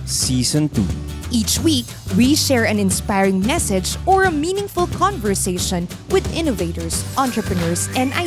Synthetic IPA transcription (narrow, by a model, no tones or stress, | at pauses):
siːsɔ̃nt̪ṵ | ʔiːt͡ʃwiːk | wiʃɛɹɛ̃nɪ̃nspajɹɪ̃ŋmɛsɛd͡ʒɔɹɐmiːnɪ̃ŋfʊlkʰɔ̃nvɛɹseɪʃɔ̃n | wɪd̪ɪ̃noveɪt̪ɔɹsʔãnt̪ɹɛpɹɛnɔɹsɛ̃nd̪a